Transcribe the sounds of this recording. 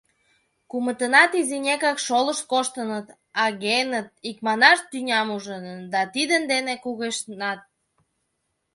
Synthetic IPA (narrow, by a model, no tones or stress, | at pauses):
kumət̪ənɑt̪izinʲekɑkʃoləʃkoʃt̪ənət̪ | ɑɣenət̪̚ikmɑnɑʃt̪ynʲɑmuʒənd̪ɑt̪id̪ənd̪enekuɣeʃnɑt̪̚